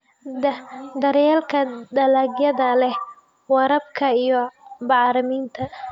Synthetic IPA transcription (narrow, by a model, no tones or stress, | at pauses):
d̪ɐɾjɛːlkʰɐd̪ɐlaːɡjɐðɐlɛ | wɑɾɐb̚kʰɐijɔbɑʕɾɪmiːnt̪ʰɐ